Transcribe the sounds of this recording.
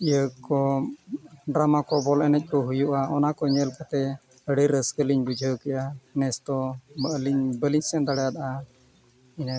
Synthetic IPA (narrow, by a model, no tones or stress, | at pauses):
ijəkɔ | ɖɾamakɔbɔlɛnəc̚ˀkɔɦujuʔaʔɔnakɔɲɛlkat̪ɛ | əɽɛɾəskəliɲbud͡ʒʱəwkɛʔanɛst̪ɔəliɲbəliɲsɛnd̪aɽɛjad̪aʔa | in